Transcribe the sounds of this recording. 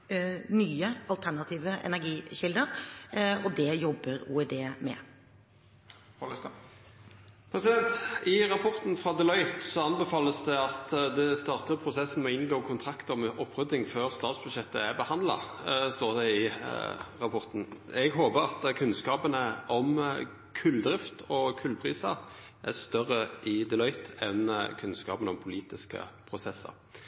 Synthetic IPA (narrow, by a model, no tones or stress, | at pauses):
nyːəɑlt̪ʰænɑt̪ʰiːʋəʔɛ̰næɾɡiːɕɪld̪əɾ | ɔd̪ɛjɔbːəɾṵːɛd̪eːmɛ̰ | pʰɾɛsɪd̪ɛnt̪ɪɾɑpʰɔʁt̪nfɾɑːd̪ɛlœʏt̪sɔɑnbɛfɑːləsd̪ɛɑt̪d̪ɛst̪ɑːʁt̪əpʰɾʊsɛsːn̩mɛɔɪnɡoːkʰʊnt̪ʰɾɑkt̪əmɛʔɔpːʁʉd̪ɪŋføːʁst̪ɑːt̪sb̥ʉd̪ʂɛt̪ːə̰æɾbəhɑnd̪lɑ̰st̪oːʁd̪ɛɪ | ʁɑpʰɔʁt̪n̩ɛɡɦoːbəɾɑt̪kʰʉnskɑːpənəʔɔm | kʰʉlːd̪ɾɪft̪ɔkʰʉlpʰʁiːsɑ | ʔæ̰st̪œʁːəʔɪd̪ɛlœʏt̪ɛnkʰʉnskɑ̰ːpənəɔmpʰʊliːt̪ɪskə̰pʰɾʊsɛsːə̰ɾ